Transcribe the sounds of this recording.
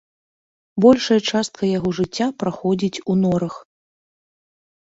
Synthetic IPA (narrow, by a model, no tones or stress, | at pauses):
bɔlʲʂɐjɐt͡ʂast̪̚kʰɐjaɣɔʐɨt͡sʲːapɾaxɔd͡zʲit͡sʲunɔɾɐx